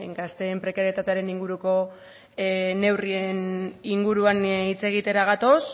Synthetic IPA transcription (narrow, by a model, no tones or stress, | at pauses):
eŋɡast̪e̞ːmpɾe̞kaɾet̪at̪eaɾe̞niŋɡuɾuko̞ | ne̞wrieniŋɡuɾuanit͡se̞ɣ̞it̪e̞ɾaɣ̞at̪o̞s